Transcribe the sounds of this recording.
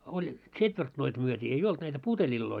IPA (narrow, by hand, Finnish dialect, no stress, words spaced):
olʲ ts̆etʋertnoit myøtʲiː ei olt næitæ putelʲilːoi